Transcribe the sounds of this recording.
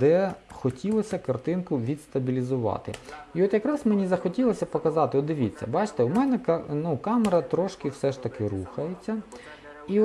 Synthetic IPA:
d̪ɛxɔtʲilˠɔsʲɐkɐrt̪ɪnkʊʋʲid̪st̪ɐbʲilʲizʊʋɑ̰t̪ɪ̰iɔt̪jɐkɾɑsmenʲizɐxɔtʲilˠɔsʲɐpɔkɐzɑt̪ɪɔd̪ɪʋʲit͡sʲːɐ̰bɑt͡ʃt̪ɛʊmɛnɛknukɑmeɾɐt̪ɾɔʃkɪwsɛʃt̪ɐkɪɾuxɐjet͡sʲːɐ | i

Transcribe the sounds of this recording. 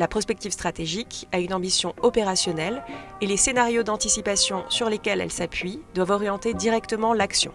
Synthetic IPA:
lapχɔspɛk̚t̪ivst̪χat̪eʒikaynɑ̃bisjɔ̃ɔpeʁasjɔnɛlelesenaʁjod̪ɑ̃t̪isipasjɔ̃syʁlekʲɛlɛ̰lsapɥid̪wavɔʁjɑ̃t̪ed̪iʁɛkt̪əmɑ̃laksjɔ̰̃

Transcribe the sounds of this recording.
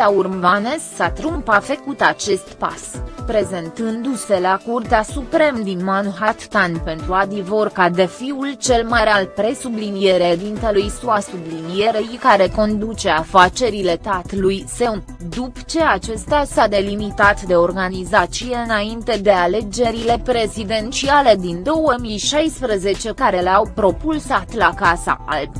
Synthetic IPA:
aurvanesːat̪ɾumpafekut̪at͡ʃe̞st̪pa̰spɾe̞ze̞nt̪ɨnd̪use̞lakurt̪easupɾe̞md̪inmanuɦat̪t̪anʲpe̞nt̪ɾuad̪ivorkad̪e̞fiult͡ʃe̞lmaɾealpɾe̞sublinije̞ɾed̪int̪e̞lujsuasublinije̞ɾejkaɾe̞ko̞nd̪ut͡ʃe̞afat͡ʃe̞ɾile̞t̪at̪lujse̞un | d̪upt͡ʃe̞at͡ʃe̞st̪asad̪e̞limit̪at̪d̪e̞o̞rɡanizat͡ʃije̞ɨnaint̪e̞d̪e̞ale̞d͡ʒe̞ɾile̞pɾe̞zid̪e̞nt͡ʃiale̞d̪ind̪o̞wəmijʃajspɾəze̞t͡ʃe̞kaɾe̞leawpɾo̞pulsat̪lakasa̰ʔʔalb

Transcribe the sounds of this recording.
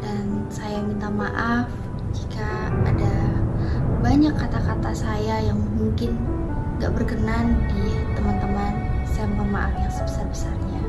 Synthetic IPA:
dansajamint̪amaʔaf | d͡ʒikaːda | baɲakːat̪akat̪asajajaŋmuŋkɪn | ɡa̰ʔbərkənandit̪əmant̪əmansajamint̪amaʔafjaŋsəbəsarbəsarɲa

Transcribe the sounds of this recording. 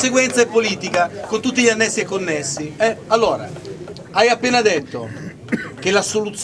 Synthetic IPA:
seɡwɛnt̪saepːoliːt̪ikakont̪ut̪ːiʎanːɛsːiekonːesːiɛalːoːɾa̰ | ajapːeːnad̪et̪ːo | k̟elasolut̪sː

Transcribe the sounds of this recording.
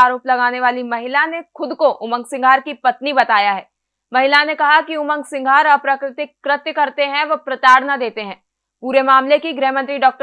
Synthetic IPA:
aːɾoːplɐɡaːneʋaːlimɐɦɪlanexʊd̪koʔʊmə̃ŋɡsɪ̃ŋɡʱaːɾkipɐt̪nibɐt̪aːjaɦɛː | mɐɦɪlanekɐɦakiʊmə̃ŋɡsɪ̃ŋɡʱaːɾɔpɾəkɾɪt̪ɪkːɾɪt̪jəkɐɾt̪eɦɛ̃ʋopɾɐt̪aːɽnad̪eːt̪eɦɛ̃ː | puːɾemaːmlekiɡɾɛɦmə̃nt̪ɾiɖɔːk̚ʈ

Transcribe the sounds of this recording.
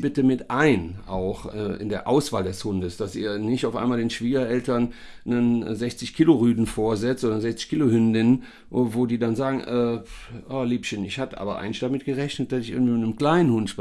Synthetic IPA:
bɪtəmɪtʔaɪnʔa̰ʊxʔɛːʔɪ̰ndeːɐʔaʊsv̥a̰ːldɛshʊndəsd̥asiːɐnɪçtaʊfa̰ɪmaːldeːnʃv̥iːɡɐʔɛltɐn | nənzɛçt͡sɪçkʰɪloʁyːdn̩foːɐzɛt͡stzɔndɐnzɛçt͡sɪ̥çkʰɪlohʏndɪn | voːdiːdanzaːɡŋ̩ʔɛːʔaːliːpʃənɪçhatəʔa̰ːbɐʔa̰ɪɡnɪçtd̥amɪt̚ɡ̥əʁɛçnət̚d̥asɪçʔɪɐɡŋ̩vimɪtnəmkl̥aɪnənhʊnt

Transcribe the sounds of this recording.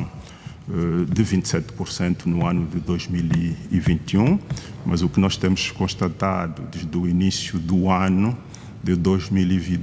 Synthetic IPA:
ɛd̪ɨvĩnt̪sɛt̪puɾsẽnt̪unuãnud̪ɨd̪ojʒmiliivĩnt̪jũmʔɐzukɨnɔʃt̪ẽmʊʃkõʃt̪at̪ad̪ud̪ed̪uinisjud̪uanu | d̪ɨd̪ojʒmilivĩ

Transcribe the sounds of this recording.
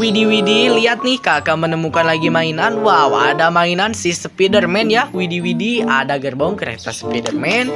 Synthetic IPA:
widiwidiliat̪̚nɪhkakamənəmukanlaɡimainanwawa̰damainansihsəpidərmɛnjawidiwidiadaɡərbɔŋkəɾḛt̪a̰sə̥pidərmɛn

